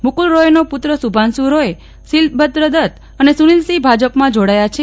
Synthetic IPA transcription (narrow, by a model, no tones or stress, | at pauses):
mukulɾojnopʊt̪ɾəsubʱansuɾoje | silbəd̪ɾəd̪ət̪ | ənesunilsibʱad͡ʒəpmãd͡ʒoɽajat͡ʃʰe